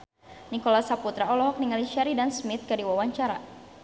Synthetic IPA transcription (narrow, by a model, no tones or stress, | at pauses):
nikɔlasaput̪ɾaɔlɔɦɔk̚niŋaliʃaɾidansmit̪̚kadiwawaɲt͡ʃaɾa